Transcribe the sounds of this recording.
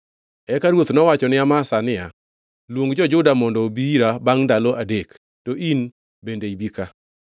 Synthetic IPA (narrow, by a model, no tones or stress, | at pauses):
ɛkaɾwot̪nɔwat͡ʃɔnɪamasanɪja | lwoŋɡd͡ʒɔd͡ʒʊdamɔndɔbiɾabaŋndaloʔadek | toʔin | bendeibika